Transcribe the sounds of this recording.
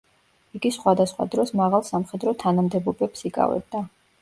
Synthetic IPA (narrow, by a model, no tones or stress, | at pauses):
iɡisχwad̪asχwa̰d̪ɾɔsmaʁalˠsamχɛd̪ɾɔt̪ʰanamd̪ɛbɔbɛpsikʼa̰vɛ̰b̚d̪a